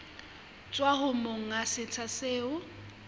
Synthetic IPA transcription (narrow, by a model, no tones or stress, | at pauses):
t͡sʼwaɦʊmoŋ̩asɪt͡sʰaseːʊ